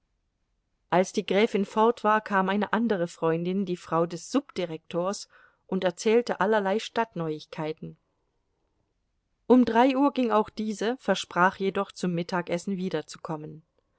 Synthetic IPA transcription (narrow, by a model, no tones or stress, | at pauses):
ʔalsd̥iːɡʁɛːfɪnfɔɐtv̥aːɐkʰaːmʔaɪnəʔandəʁ̞əfʁ̥ɔʏndɪndiːfʁ̥aʊdɛsz̥ʊpd̥iʁɛk̚tʰoːɐs | ʔʊntɛɐt͡sɛːltəʔalɐlaɪʃtatnɔʏɪçkʰaɪtn̩ | ʔʊmdʁaɪʔuːɐɡɪŋaʊxd̥iːzəfɛɐʃpʁ̥aːχjedɔχt͡sʊmːɪtʰaːkʔɛsn̩viːdɐt͡sukʰɔmən